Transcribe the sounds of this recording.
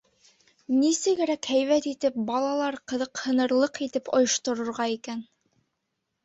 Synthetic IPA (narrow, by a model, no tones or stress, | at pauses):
nisɘ̆ɡɘ̆ɾækhæjβæt̪it̪ɘp̚bɑlˠɑlˠɑɾqɤ̆ðɤqhɤ̆nɤ̆ɾlˠɤqit̪ɘpŏjŏʃt̪ŏɾŏɾʁɑikæn